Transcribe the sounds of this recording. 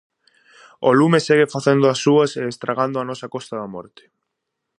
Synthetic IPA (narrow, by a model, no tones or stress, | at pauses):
o̰lumeseɣefaθend̪oasːuaseːst̪ɾaɣ̞and̪oanɔsakɔst̪aðamɔ̰ɾt̪e̥